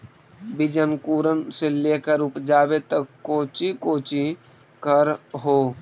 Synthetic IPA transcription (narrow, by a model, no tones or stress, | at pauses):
bɪd͡ʒənkuːɾənselekəɾupd͡ʒaːbet̪əkoːt͡ʃikoːt͡ʃi | kəɾɦoː